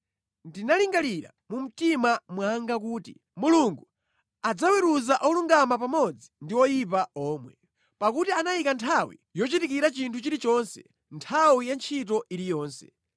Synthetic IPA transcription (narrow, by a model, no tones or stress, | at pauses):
ndinaliŋɡaliɾa̰mum̩timamwaŋɡak̬uːtḭ | muluŋɡu | ad͡zawɛɾuzaʔɔluŋɡamapamɔd͡zindiwɔjipaɔːmwɛ | pakutianajikantʰawḭjɔt͡ʃitikiɾat͡ʃintʰut͡ʃiɾit͡ʃɔnsɛ̰ | ntʰawijant͡ʃʰit̬ɔʔiɾijɔːnsɛ̥